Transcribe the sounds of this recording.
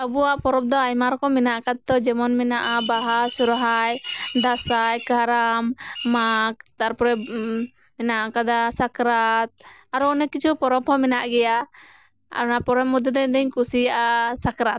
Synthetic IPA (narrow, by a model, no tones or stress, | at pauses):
əbuwaʔpɔɾɔp̚d̪ɔajmaɾɔkɔmɛnaʔkad̪t̪ɔd͡ʒɛmɔnmɛnaʔabaɦasuɾɦajd̪asajkaɾamːak̚t̪aɾpɔɾɛ | mɛnaʔakad̪asakɾat̪̚aɾɔɔnɛkit͡ʃʰupɔɾɔbhɔmɛnaʔɡɛja | a̰ɾnapɔɾɛmːɔd̪ɔd̪ɛɲd̪ɛɲkusijaʔasakɾat̪̚